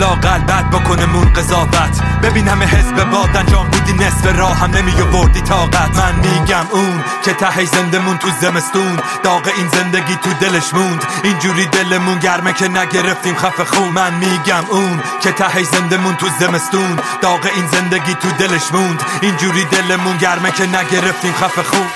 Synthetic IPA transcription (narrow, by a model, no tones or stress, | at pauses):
lɒːɣælbæd̪̚bokʰo̞nemuːnɢezɒːvæt̪ʰ | bebiːnhæmeɦesbebɒːd̪ænd͡ʒɒːmb̪iːd̪iːnesbeɾɒːhæmnemiːɡeboɾd̪iːt̪ʰɒːɡæt̪ʰmænmiːɟmuːn | cʲʰet̪ʰæheʃzend̪emuːnt̪ʰuzeme̞st̪un | d̪̥ɒːɣeiːnze̞nd̪eɡiːt̪ʰud̪e̞leʃmuːnd̪ | ind͡ʒuːɾiːd̪elemunɟæɾmecʰʲenæɡeɾe̞ft̪iːmχæfeχuːmænmiːɟæmuːn | cʲʰet̪ʰæheʃzend̪emunt̪ʰuzeme̞st̪uːn̥ɒːɣeʔiːnzend̪eɡiːt̪ʰud̪eleʃmund̪ | ind͡ʒuːɾiːd̪e̞lemunɟæɾmekʲʰenæɡe̞ɾeft̪iːmχæfexuːn